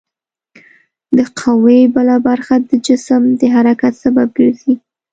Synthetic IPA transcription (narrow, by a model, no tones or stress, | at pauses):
d̪əqʰawebəlabaɾxad̪əd͡ʒɪsəmd̪əɦaɾakat̪sabab̚ɡəɾzi